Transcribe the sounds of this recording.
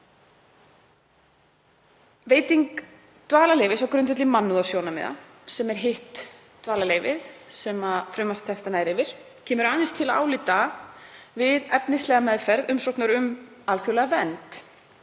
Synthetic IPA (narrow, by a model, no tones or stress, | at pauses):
veːjt̪iŋk | t̪vaːlaleːjvɪsawkɾʏnt̪ʏt̪lɪmanːuðasjownamɛ̰ða̰ | sɛmɛɾ̥ɦɪht̪ː | vaːlaleːjvɪðsɛmafɾʏmḁt̪t̪ʰːɛft̪anaːjɾɪvɪɾ̥ | cʰɛːmʏɾaːðɪnst̪ʰɪlaða̰ːwlit̪a | vɪðɛpnɪslɛːɣamɛðfɛɾðʏmsɔwknaɾʏm | aːlθjuwlɛɣavɛnt̪